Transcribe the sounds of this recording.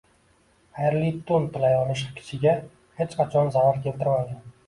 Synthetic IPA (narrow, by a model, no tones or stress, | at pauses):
ajɾlit̪ʰʊnt̪ʰɪlajɒlɪʃkʲʰɪ̥t͡ʃʰɪɡʲa | he̞t͡ʃqʰat͡ʃʰɒnzavaɾkʲʰe̞lt̪ɪɾmaɡʲan